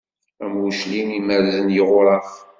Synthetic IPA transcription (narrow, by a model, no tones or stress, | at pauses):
æmwuʃliniməɾzənjəʁʊɾˤɑf